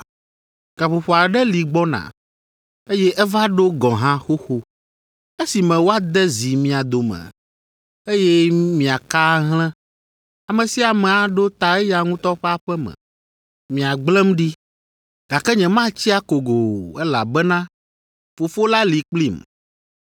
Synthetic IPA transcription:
ɡ̥a˨ɸo˨ɸo˨a˨ɖɛ˦li˨ɡ͡bɔ˦nã̰˨ | e˦jɛ˦ʔɛ˦va˦ɖo˦ɡɔ̃˨ɦã˦xo˦xo˦ | e˦si˨mɛ̃˨wo˦a˦d̪ɛ˦zi˨mĩ˨a˨d̪o˨mɛ̰̃˨ | e˦jɛ˦mĩ˨a˨ka˦ɦl̃ɛ̃˦ | a˨mɛ̃˨si˦a˨mɛ̃˨a˨ɖo˦t̪a˨ɛ˦ja˨ŋũ˦t̪ɔ˦ɸɛ˦a˨ɸɛ˦mɛ̰̃˨ | mĩ˨a˨ɡ͡blɛ̃˦mɖi˦ | ɡ̥a˨kɛ˦ɲɛ̃˨mã˦t͡ɕi˦a˦ko˨ɡo˨ɛ˦la̰˨bɛ˦nã˦ | fo˨fo˦la˦li˨k͡pli˦˨m

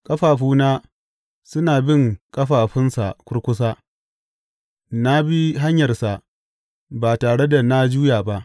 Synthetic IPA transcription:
kʼɐ˦ɸaː˨ɸuː˦naː˦ | sʊ˦naː˨bɪ˦˨ŋkʼɐ˦ɸaː˨ɸɪ˦nsa̰˨kʷʊ˦ɽkʷʊ˦s̬aː˦ | na˦bi˦ɦa˦ɲjɐ˨rsa˨ | baː˨taː˨ɽe˦da˨na˦d͡ʒuː˦jaː˨ba˦ʔ

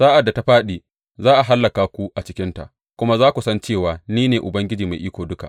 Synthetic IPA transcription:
saː˦ʔa˨dːa˨ta˦ɸaː˦ɗiː˨ | zaː˦ʔa˨ɦa˦lːɐ˨kaː˨kʷu˦ʔa˨t͡ʃɪ˦kʲɪ˦nta̰˨ʔ | kʷʊ˦ma˦zaː˦kʷu˨sɐ˦nt͡ʃeː˦˨waː˨niː˦neː˨ʔʊ˨bɐ˦ŋɡʲɪ˦d͡ʒiː˨ma˨jʔiː˦kʷoː˨dʊ˦ka̰˨

